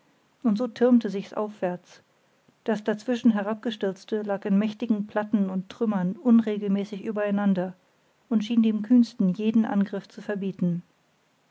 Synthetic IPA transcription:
ʔʊntz̥oːtʰɪɐmtəzɪçsʔa̰ʊfv̥ɛɐt͡s | d̥asd̥at͡sv̥ɪʃn̩ɦɛʁ̞ap̚ɡ̥əʃtɪɐt͡stəlaːkɪnmɛçtɪɡŋ̩pʰl̥atn̩ʊntːʁ̥ʏmɐnʔʊnʁeːɡl̩mɛːsɪçʔyːbɐaɪnandɐ | ʔʊntʃiːndeːmkʰyːnstn̩jeːdn̩ʔa̰nɡʁɪft͡sufɛɐbiːtn̩

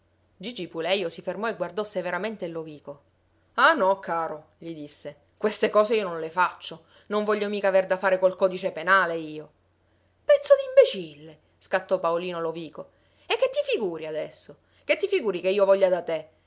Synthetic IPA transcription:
d͡ʒid͡ʒipulɛjosifermɔeɡward̪ɔseveɾament̪eloviːko | anɔkʰːaːɾo | ʎid̪isːe | kwest̪ekɔːzeionõnlefat͡ʃːo | noɱvɔʎːomiːkaverd̪afaːɾekolkɔːd̪it͡ʃepenaːleiːo | pɛt̪sːod̪imbet͡ʃilːe | skat̪ːɔpːaoliːnoloviːko | ekːet̪ːifiɡuːɾiad̪ɛsːo | ket̪ːifiɡuːɾikeiːovɔʎːad̪at̪e

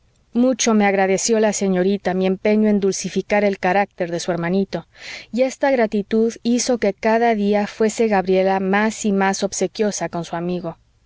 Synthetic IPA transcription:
mut͡ʃo̞meaɣɾaðe̞sjo̞lase̞ɲo̞ɾit̪amie̞mpe̞ɲoe̞nd̪ulsifikaɾe̞lkaɾak̚t̪e̞ɾðe̞sue̞ɾmãnit̪o̞ie̞st̪aɣɾat̪it̪uðiso̞ke̞kaðaðiafwe̞se̞ɣaβɾjelamasimaso̞β̥se̞kjo̞sako̞nsuamiɣo̞

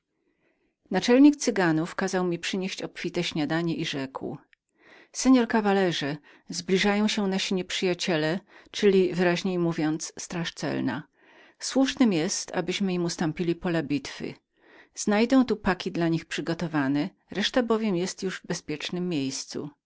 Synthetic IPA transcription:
nat͡ʂɛlɲik̚t̪sɘɡanufkazawmʲipʂɘɲeɕt͡ɕɔpfʲit̪ɛɕɲad̪aɲɛʔiʐɛkw | sɛɲɔɾkavalɛʐɛ | zblʲiʐajɔ̃w̃ɕɛ̃naɕiɲɛpʂɘjat͡ɕɛlɛt͡ʂɘlʲivɘɾaʑɲejmuvʲjɔnt̪sst̪ɾaʂt̪sɛ̰lna̰ | swuʂnɘmjɛst̪a̰bɘɕmɘimust̪ɔ̃mpʲilʲipɔlabʲit̪fɘ̰ | z̥najd̪ɔ̃w̃t̪upakʲid̪laɲixpʂɘɡɔt̪ɔvanɛ | ɾɛʂt̪abɔvʲjɛmjɛst̪juʐvbɛspʲjɛt͡ʂnɘmːʲjejst̪sṵ

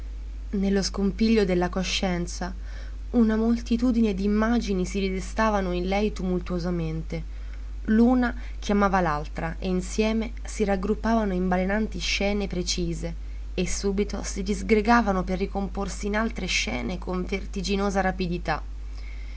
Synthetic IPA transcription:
nelːoskompiʎːod̪elːakoʃːɛnt̪sa | unamolt̪it̪uːd̪ined̪iːmːad͡ʒinisid̪id̪est̪aːvanoinlɛjt̪umult̪uozament̪e | luːna | k̟ʰjamaːvalalt̪ɾaʔeinsjɛːme | siɾaɡɾupːaːvanoimbalenant̪iʃːɛːnepɾet͡ʃiːze | esːuːbit̪o̰sid̪izɡɾeɡaːvanoperːikomporsiːnalt̪ɾeʃːɛ̰ːnekʰoɱvert̪id͡ʒinoːzaɾapid̪it̪a

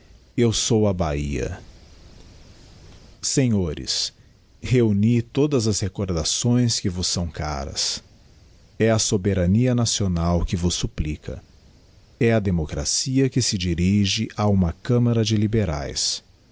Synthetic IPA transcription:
ewsowɐbaiɐ̰ | seɲoɾɪ̰s | heunit̪od̪ɐzɐshekoɾd̪asõj̃skɪvʊsɐ̃w̃ka̰ɾɐ̰s | ɛɐsobeɾaniɐnasionawkɪvʊsːuplikʰɐ̰ | ɛɐd̪emokɾa̰siɐkɪsɪd͡ʒiɾiʒɪʔaũmɐkɐ̃mɐɾɐd͡ʒɪlibeɾa̰js

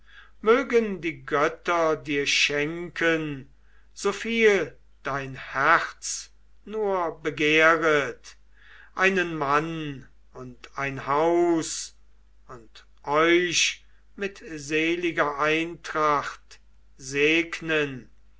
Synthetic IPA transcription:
møːɡəndiːɡœtɐdiːɐʃɛŋkʰən | z̥ofiːl | d̥aɪnhæʁt͡s | nuːɐbəɡeːʁət | ʔaɪnənman | ʊntaɪnhaʊs | ʊnt | ʔɔʏʃ | mɪtzeːlɪɡɐʔaɪntʁaχt | zeːknən

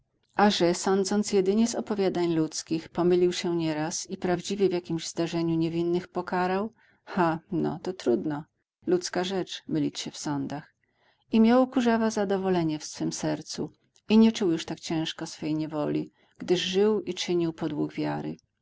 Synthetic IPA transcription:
ʔaʐɛsɔnd̪zɔnt̪sjɛd̪ɘɲɛzɔpɔvʲjad̪aɲlut̪skʲixpɔmɘlʲiwɕɛɲɛɾasipɾavd͡ʑivʲjɛvjakʲimʑzd̪aʐɛɲuɲevʲinːɘxpɔkaɾaw | xanɔ̰t̪ɔt̪ɾud̪nɔ | lut̪skaʐɛt͡ʂmɘlʲit͡ɕɕɛfsɔnd̪ax | imʲjawkuʐavazad̪ɔvɔlɛɲɛfsfɘmsɛɾt̪su | iɲɛt͡ʂuwjuʂt̪akt͡ɕɛ̃w̃ʂkɔsfɛjɲɛvɔlʲi | ɡ̥d̪ɘʐʐɘwit͡ʂɘɲiwpɔd̪wuɡvʲjaɾɘ̰

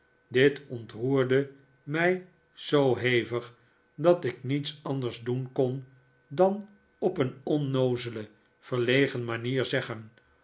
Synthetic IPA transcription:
dɪtɔntruːɹdə | mɛj | z̥owɦejvəχ | dɑtɪknitsɑndəɹzdunkɔn | dɑn | ɔpənɔnowzələ | v̥əɹlejχənmaniːɹzɛχən

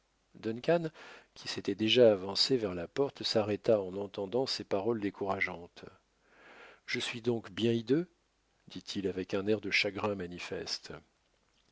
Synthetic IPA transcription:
d̪ɔnkʲankʲi̥set̪ɛd̪eʒaːvɑ̃sevɛʁlapɔʁt̪saʁɛt̪aɑ̃nɑ̃t̪ɑ̃d̪ɑ̃sepaʁɔld̪ekʰuʁaʒɑ̃t̪ | ʒ̥əsɥid̪ɔ̃kbjɛ̃id̪ø | d̪̥it̪ʰilavɛkɛ̃nɛʁd̪əʃaɡʁɛ̃manifɛst̪

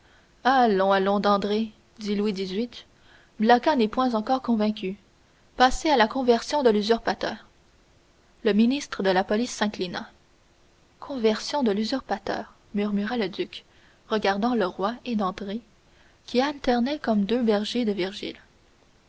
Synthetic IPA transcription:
alɔ̃alɔ̃d̪ɑ̃d̪ʁe | d̪ilwid̪izɥit̪ | blakanɛpwɛ̃zɑ̃kɔːʁkɔ̃vɛ̃kʲy | pasealakɔ̃vɛʁsjɔ̃d̪əlyzyʁpat̪œːʁ | ləminist̪χəd̪əlapɔlisːɛ̃klina̰ | kʰɔ̃vɛʁsjɔ̃d̪əlyzyʁpat̪œ̰ːʁ | myʁmyʁaləd̪yk | ʁəɡaʁd̪ɑ̃ləʁwaed̪ɑ̃d̪ʁe | kʲialt̪ɛʁnɛkɔmd̪øbɛʁʒed̪əviʁʒḭl

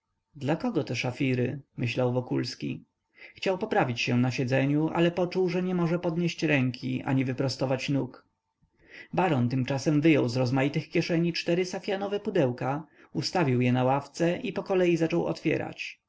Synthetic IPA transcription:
d̪lakɔɡɔt̪ɛʂafʲiɾɘmɘɕlawvɔkulskʲḭ | xt͡ɕawpɔpɾavʲit͡ɕɕɛnaɕɛd̪zɛɲuʔa̰lɛpɔt͡ʂuwʐɛɲɛmɔʐɛpɔd̪ɲeɕt͡ɕɾɛŋkʲʰiʔa̰ɲivɘpɾɔst̪ɔvat͡ɕnuk | baɾɔnt̪ɘmt͡ʂasɛmvɘjɔwzɾɔzmajit̪ɘxkʲjɛʂɛɲit͡ʂt̪ɛɾɘsafʲjanɔvɛpud̪ɛwka | ust̪avʲiwjɛnawaft̪sɛʔipɔkɔlɛjizat͡ʂɔwɔ̰t̪fʲjɛ̰ɾa̰t͡ɕ

